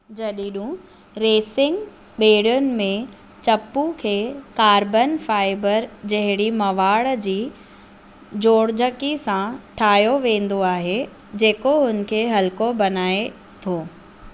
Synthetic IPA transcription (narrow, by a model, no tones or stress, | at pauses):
d͡ʑɐɗiɗũ | ɾeːsɪ̃ŋɡ | ɓeːɽjʊnɪ̆mẽ | t͡ɕɐpːukʰeːkaːɾbənfaːɪbəɾd͡ʑɐɦɪɽimɐʋaːɭd͡ʑiː | d͡ʑoːɽd͡ʑəkisãʈʰaːjoʋẽːn̆d̪oaːɦe | d͡ʑeːkoɦʊn̆kʰeːɦɐlkobɐnaːe | t̪ʰoː